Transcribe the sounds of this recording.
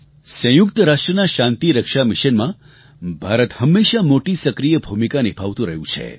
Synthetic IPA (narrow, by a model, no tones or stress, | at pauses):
sə̃jʊk̚t̪əɾaʂʈɾənaʃãnt̪iɾəkʃamɪʃənmã | bʱaɾət̪həmːeʃamoʈisəkɾijəbʱumikanibʰʱaʋt̪ũɾəɦjũt͡ʃʰḛ